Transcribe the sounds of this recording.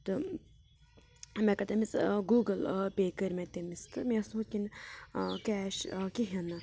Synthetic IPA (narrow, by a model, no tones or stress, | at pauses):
t̪ɨ | mekɐt̪ɐmisɡuːɡɐlpeːkəɾʲmet̪emist̪ɨmiɐsɦukin | kɛːʃkiɦɐnɨ